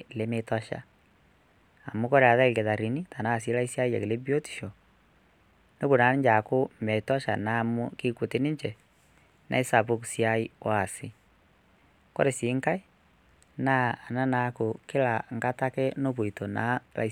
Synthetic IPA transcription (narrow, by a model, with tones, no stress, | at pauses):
le˦me˦ta˦ʃa̰˦ | a˨mʊ˦kɔ˦ɾe˨a˨ða˦ke˨ða˨ɾi˨ni˦ta˨na˦˨s̬i˦la˦i˦sja˦i˦ja˨ke˨le˦bjo˦ti̥˨ʃo˨ | no˦ku˨na˦n˦ɲd͡ʒa˨kʊ˦mɛ˨tɔ˦ʃa̰˨na˦˨mu˦ki˦ku˨te˦ni˦ɲt͡ʃɛ˨ | nʔa̰˨i˦sa˨po˦ksja˦i˦wa˦˨sɪ˦ | kɔ̰˦ɾe˨siː˨˦ŋka˦ɪ˦ | na˦a˨na˦na˨˦ko˨kɪ˦la˨ŋɡa˦ta˦kɛ˦no˦bo˨i˨to˨na̰˦la̰˦